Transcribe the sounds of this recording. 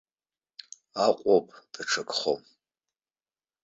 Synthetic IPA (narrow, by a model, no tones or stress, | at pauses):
aqʷʼopʼd̥ʼaʈ͡ʂʰakʼχo̰m